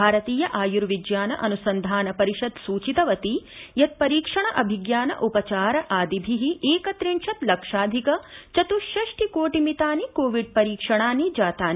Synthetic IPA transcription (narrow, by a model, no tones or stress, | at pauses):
bʱaːɾɐt̪iːjɐʔaːjuɾʋid͡ʒjaːnɐ̰ʔɐnusɐnd̪ʱaːnɐpɐɾiʃɐd̪suːt͡ʃit̪ɐʋɐt̪ijɐt̪̚pɐɾiːkʂɐɳɐʔɐbʱiɡjaːnɐ̰ʔupɐt͡ʃaːɾɐʔaːd̪ibʱiɦiʔeːkɐt̪ɾint͡ʃʰɐt̪lɐkʂaːd̪ʱikɐt͡ʃɐt̪uʃɐʂʈʰikoːʈimit̪aːnikoːʋiɖ̚pɐɾiːkʂɐɳaːnid͡ʒaːt̪aːn